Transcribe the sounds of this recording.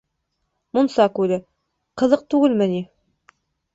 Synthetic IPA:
munsɑkʉlɘ | qɤ̆ðɤq̚t̪ʉɡɘlmɘ̆ni

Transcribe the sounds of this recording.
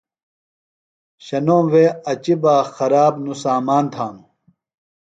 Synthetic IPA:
ɕɐnoːweːɐt͡ɕibaːxɐɾaːbnusaːmaːnt̪ʰaːnu

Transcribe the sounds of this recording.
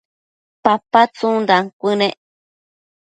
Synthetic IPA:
papat͡sũndaŋkʷɨnẽʔ

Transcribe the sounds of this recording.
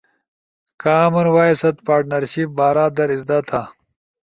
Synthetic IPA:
kaːmɐɾwaːisɐt̪paːʈnɐɾɕip̚baːɾaːd̪ɐɾizd̪ɐt̪ʰa

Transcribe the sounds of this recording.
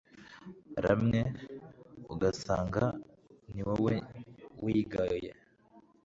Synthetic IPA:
ɾa̰mŋe | uɡasaːŋɡa | niwawewiːɡajḛ

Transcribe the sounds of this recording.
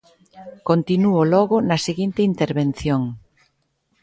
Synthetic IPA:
kont̪inuolɔɣonɐseɣint̪eint̪eɾβen̟θjoŋ

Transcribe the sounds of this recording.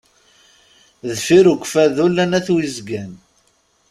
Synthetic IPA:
ðfiɾuɡʷfæðulːænæθwizɡæn

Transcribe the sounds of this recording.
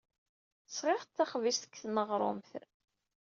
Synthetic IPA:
sʁeʁt͡s̪ːæχvisθə̥kːθnəʁɾˤo̰mθ

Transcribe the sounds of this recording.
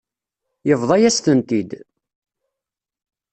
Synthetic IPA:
jəvðˤɑjæst̪ənt̪id̪

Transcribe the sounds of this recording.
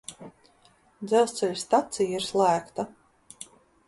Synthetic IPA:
d̪zɛwˠst̪sɛlʲst̪at̪sijaiɾslˠæːkt̪a

